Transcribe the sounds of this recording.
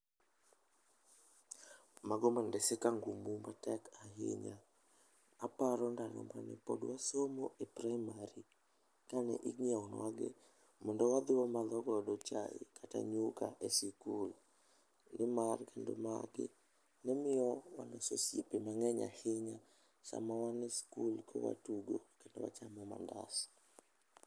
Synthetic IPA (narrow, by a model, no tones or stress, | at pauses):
maɡɔmandɛsɪkaŋɡumumatɛkʰaɦɪ̰ɲaː | paɾɔndanɔ̰manɛ̰pɔ̰dwasomoʔepɾajmaɾi | kanɛ̰ʔiŋiaɔnwaɡɪ | mɔndɔwad̪ɪwɔmalɔɡɔdɔt͡ʃa̰ɪ̰kata̰ɲukaʔesikul | nɪmarkendoma̰ɡɪ̰ | nɛmɪɔwanɔsosjepemaŋɛɲa̰hɪɲa | sa̰mawanɪskulkʰowa̰tuɡokendo̰wa̰t͡ʃamɔma̰nda̰sɔ̥